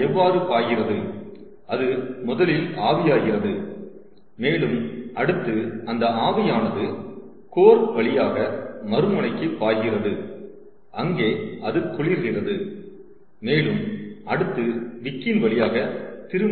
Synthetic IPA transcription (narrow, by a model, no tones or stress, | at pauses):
ɛʋːaːɾɯpaːjɪrɐðɯ | ɐðɯmʊðɐlɪlaːʋɪjaːɣɪrɐðɯ | meːlɯmɐɽɯt̪ːɯɐnd̪ɐʔaːʋɐjaːnɐðɯ | koːɾʋɐɭɪjaːɣɐmɐɾɯmɐɳɐɪkːɯpːaːɣɪrɐðɯ | ʔɐŋɡeːɐðɯk̪ːʊɭɪɾɣɪrɐðɯ | meːlɯmʔɐɽɯt̪ːɯʋɪkːɪnʋɐɭɪjaːɣɐt̪ɪɾɯm